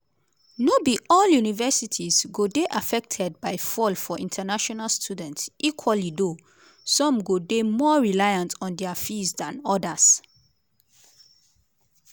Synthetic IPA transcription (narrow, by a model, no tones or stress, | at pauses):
nobiʔɔljunivɛsitʰizɡodeʔafɛk̚tʰɛd̚baɪfɔlfɔʔĩntʰanaʃɔnalstʰjudɛ̃ntsikʰwalido | sɔ̃mɡodemɔɹilajãntʰɔ̃ndɛafisdãnɔdas